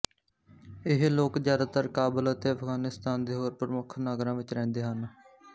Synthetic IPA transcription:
ɪɦloːkzjaːd̪aːt̪əɾkaːbələt̪eːəpʰɡaːnɪst̪aːnd̪eːɦoːɾpəɾəmʊkʰnaːɡɾãːʋɪt͡ʃɾɛ̃ːnd̪eːɦən

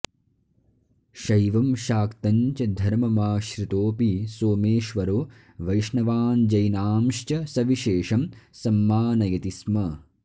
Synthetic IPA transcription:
ʃɐjʋɐmʃaːkt̪ɐɲt͡ʃɐd̪ʱɐɾmɐmaːʃɾit̪oːpisoːmeːʃʋɐɾoː | ʋɐjʂɳɐʋaːnd͡ʒɐjnaːmʃt͡ʃɐsɐʋiʃeːʂɐmsɐmːaːnɐjɐt̪ismɐ

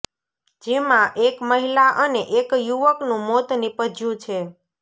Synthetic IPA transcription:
d͡ʒemãʔekməɦilaʔəneʔekjuʋəknũmot̪nipəd͡ʒjũt͡ʃʰe

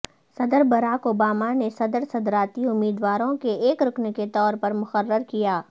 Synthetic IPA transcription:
sɐd̪əɾbɐɾaːkoːbaːmanesɐd̪əɾsɐd̪ɾaːt̪iʊmːiːd̪waːɾõkeeːkɾʊkneket̪ɔːɾpɐɾmʊxərːəɾkijaː

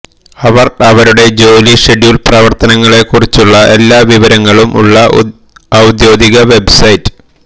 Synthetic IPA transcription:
ɐʋɐrɐʋɐɾuɽe̞d͡ʑo̞ːliʂeɖjuːlprɐʋɐrt̪ɐnɐŋːɐɭe̞kːurit͡ɕːuɭːɐʔe̞lːaːʋiʋɐɾɐŋːɐɭumʔṵɭːɐ | ɐwd̪joːd̪iɣɐʋe̞bsɐjtːɨ̥

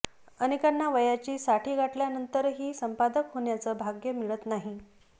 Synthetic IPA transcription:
ənikanːaʋəjat͡ɕiːsaʈʰiːɡʱaʈljanənt̪əɾɦiːsəmpad̪əkɦoɳjat͡səːbʱaɡjəmiɭət̪naɦi

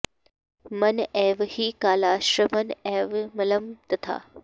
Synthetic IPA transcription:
mɐneːʋhiːkaːlaːʃɾɐmɐneːʋmɐlɐmt̪ɐt̪ʰa̰ː

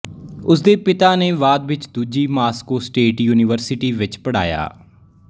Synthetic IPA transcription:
ʊs̬d̪eːpɪt̪aːneːʋaːd̪ʋɪt͡ʃd̪uːd͡ʒiːmaːskoːsʈeːʈjuːnɪʋəɾsɪʈiːʋɪt͡ʃpəɽa̰ːja̰ː

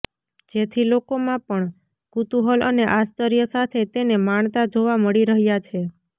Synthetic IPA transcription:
d͡ʒet̪ʰilokomãpəɳ | ɡ̥ut̪uɦəlʔəneʔast̪əɾjəsat̪ʰet̪enemaɳt̪ad͡ʒoʋaməɭiɾəɦjat͡ʃʰe

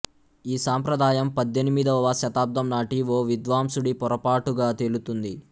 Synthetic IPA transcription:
iːsaːmpɾɐd̪aːjɐmpɐd̪ːenimid̪ɐʋʋɐʃɐt̪aːp̚d̪ɐmnaːʈiʋoːʋid̪ʋaːmsuɽipɔɾɐpaːʈuɡaːt̪eːlut̪und̪i

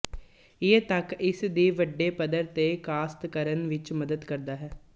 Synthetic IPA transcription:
ɪət̪əkɪsd̪iːʋəɖːeːpəd̪əɾt̪eːkaːst̪kəɾənʋɪt͡ʃməd̪əd̪kəɾd̪aːɦɛː

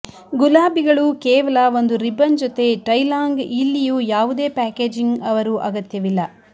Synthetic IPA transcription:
ɡulaːbiɡɐɭuːkɛːʋɐlɐʋo̞nd̪uɾibɐnd͡ʒɔt̪e̞ʈɐjlaːŋɡilːijuːjaːʋud̪e̞ːpæːkeːd͡ʒiŋɡɐʋɐɾuʔɐɡɐt̪jɐʋilːɐ

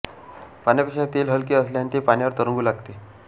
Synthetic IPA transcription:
panjapekʂat̪elɦəlkiːəsljanit̪epañjʋəɾt̪əɾəŋɡuːlaɡt̪e

